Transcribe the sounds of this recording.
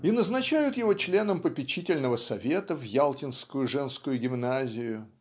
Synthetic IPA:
inəznɐt͡ɕæjʊt̪jɪvo̞t͡ɕlʲe̞nəmpəpʲɪt͡ɕitʲɪlʲnəvəsɐvʲe̞t̪əvjalˠtʲɪnskʊjʊʐɛnskʊjʊɡʲɪmnazʲɪjʊ

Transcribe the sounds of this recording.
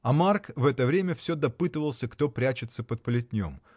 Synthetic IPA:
ɐmarkvɛt̪əvɾʲemʲəfsʲɵd̪ɐpɨt̪ɨvəlˠsʲəkt̪o̞pɾʲæt͡ɕɪt̪səpət̪̚pəlʲɪt̪ʲnʲo̰m

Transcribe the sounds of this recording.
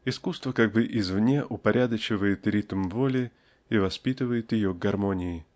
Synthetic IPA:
ɪskust̪vəkaɡ̚bɨʔɪzvnʲeʔʊpɐɾʲʔad̪ət͡ɕɪvəjɪt̪ɾʲit̪əmvolʲɪ | ivɐspʲit̪ɨvəjɪt̪jɪjoɡɡɐrmo̞nʲɪɪ

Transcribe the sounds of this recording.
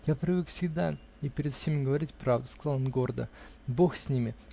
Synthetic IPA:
japɾʲɪvɨkfsʲɪɡd̪a | ipʲɪɾʲɪt̪fsʲemʲɪɡəvɐɾʲitʲpɾavd̪ʊ̥skɐzɑlˠonɡo̞rd̪ə̰boxsʲnʲimʲɪ

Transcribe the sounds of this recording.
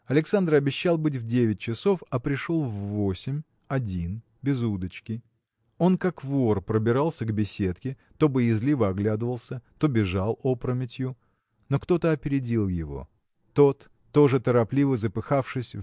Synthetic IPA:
ɐlʲɪksand̪rɐbʲɪɕːalˠbɨt̬ʲvdʲevʲɪt̚ʲt͡ɕɪso̞fɐpɾʲɪʂo̞lˠvːo̞sʲɪmʲ | ɐdʲin | bʲɪzud̪ət͡ɕkʲɪ | o̞nkakvorpɾəbʲɪɾalˠsʲəɡbʲɪsʲet̪kʲɪ | t̪o̞bɨjɪzlʲivəɐɡlʲad̪ɨvəlˠsʲət̪o̞bʲɪʐalˠo̞pɾəmʲɪtʲjʊ | no̞kt̪ot̪əɐpʲɪɾʲɪdʲilˠjɪvo̞̰ | t̪o̞t̪ː | o̞ʐɨt̪əɾɐplʲivəzəpɨxafʂɨsʲ

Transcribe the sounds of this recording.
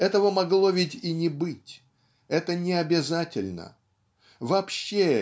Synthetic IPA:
ɛt̪əvəmɐɡlˠo̞vʲɪtʲinʲɪbɨtʲ | ɛt̪ənʲɪɐbʲɪzatʲɪlʲnə̰ | vɐːpɕːe

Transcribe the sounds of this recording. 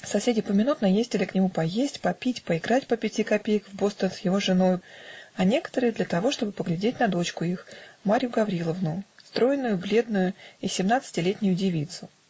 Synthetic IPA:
sɐsʲedʲɪpəmʲɪnut̪nəjezʲtʲɪlʲɪknʲɪmupɐjesʲtʲpɐpʲitʲpəɪɡɾatʲpəpʲɪtʲikɐpʲejəkvbo̞st̪ənsjɪvo̞ʐɨno̞jɐnʲe̞kə̥t̪əɾɨjəd̪lʲət̪ɐvo̞ʂt̪o̞bɨpəɡlʲɪdʲetʲnɐd̪o̞t͡ɕkʊixmaɾʲɪjʊɡɐvɾʲilˠəvnʊst̪ɾo̞jɪnːʊjʊblʲe̞d̪nʊjʊisʲɪmnat̪sɨ̥tʲɪlʲetʲnʲʊjʊdʲɪvʲit̪sʊ

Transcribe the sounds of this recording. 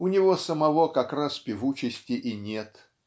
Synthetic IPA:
ʊnʲɪvo̞səmɐvo̞kɐkraspʲɪvut͡ɕɪsʲtʲɪʔinʲe̞t̪

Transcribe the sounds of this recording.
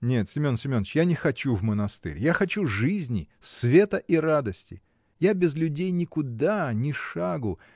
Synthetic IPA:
nʲe̞t̪sʲɪmʲo̞nsʲɪmʲo̞nət͡ɕjanʲɪxɐt͡ɕuvmənɐst̪ɨ̰ɾʲjaxɐt͡ɕuʐɨzʲnʲɪ̰svʲe̞t̪əʔiɾad̪əsʲtʲɪ̰ | jabʲɪzlʲʉdʲejnʲɪkʊd̪anʲɪʂaɡʊ

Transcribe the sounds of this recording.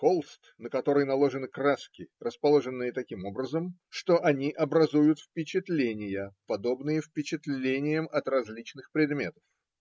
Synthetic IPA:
kolˠst̪nəkɐt̪o̞ɾəjnɐlˠo̞ʐɨnɨkraskʲɪrəspɐlˠo̞ʐɨnːɨjət̪ɐkʲimo̞bɾəzəmʂt̪o̞ʔɐnʲiʔɐbɾɐzujʊt̪fpʲɪt͡ɕɪt̪lʲenʲɪjəpɐd̪o̞bnɨjəfpʲɪt͡ɕɪt̪lʲenʲɪjəmɐt̪rɐzʲlʲit͡ɕnɨxpɾʲɪd̪mʲe̞t̪ə̥f

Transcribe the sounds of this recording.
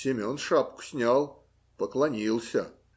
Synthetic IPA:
sʲɪmʲonʂapkʊ̥sʲnʲalˠ | pəklˠɐnʲilˠsʲə

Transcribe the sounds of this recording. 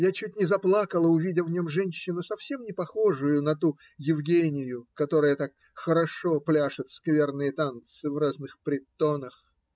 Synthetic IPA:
jat͡ɕʉt̚ʲnʲɪzɐplˠakəlˠəʊvʲidʲɪvnʲomʐɛnʲɕːɪnʊsɐfsʲemnʲɪpɐxo̞ʐʊjʊnɐt̪u | jɪvɡʲenʲɪjʊkɐt̪o̞ɾəjət̪ak | xəɾɐʂoplʲaʂɨt̪skvʲe̞rnɨjət̪ant̪sɨvraznɨxpɾʲɪt̪ːo̞nəx

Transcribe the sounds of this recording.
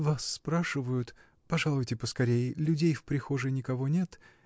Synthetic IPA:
vasːpɾaʂɨvəjʊt̪ | pɐʐalˠʊjtʲɪpəskɐɾʲejɪlʲʉdʲejfpɾʲɪxoʐɨnʲɪkɐvonʲet̪

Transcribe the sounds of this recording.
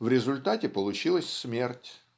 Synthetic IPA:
vɾʲɪzʊlʲt̪atʲɪpəlˠʊt͡ɕilˠəsʲsmʲertʲ

